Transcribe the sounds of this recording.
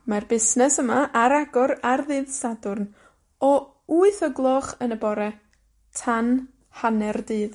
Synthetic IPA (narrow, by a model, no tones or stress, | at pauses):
marbɪsnɛsəmaʔaɾaɡɔɾarðɨðsadʊrn | ɔ | uɨθəɡlˠɔχənəbɔɾɛ | tʰan | hanɛrdɨːð